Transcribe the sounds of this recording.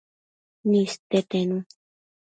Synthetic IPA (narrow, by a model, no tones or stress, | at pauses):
nĩst̪et̪ẽnũ